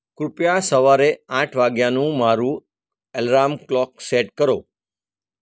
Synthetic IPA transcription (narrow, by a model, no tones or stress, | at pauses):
kɾʊpjasəʋaːɾeãːʈʰʋaːɡjãnũmaːɾũ | ɛlɾaːmklɔːk̚seːʈkəɾoː